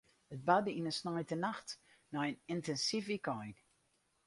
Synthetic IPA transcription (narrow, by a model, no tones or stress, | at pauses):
ət̚badəinənsnajtənaxtnajənɪntɛnsifikɔjn